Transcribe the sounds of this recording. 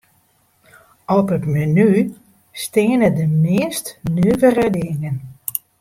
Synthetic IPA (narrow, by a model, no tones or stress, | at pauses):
ɔpətməny | stɪənədəmɪəstnøːvərədɪŋən